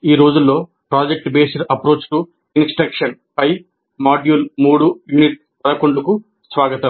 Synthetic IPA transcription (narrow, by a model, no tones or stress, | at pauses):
iːɾo̞ːd͡ʒulːo̞ː | pɾaːd͡ʒek̚ʈbeːsɐɾɐpɾo̞ːt͡ʃʈu | insʈɾɐkʂɐnpɐj | maːɖjuːlmuːɽujuniʈ̚ | pɐɽɐkoɳɖuku | sʋaːɡɐt̪ɐm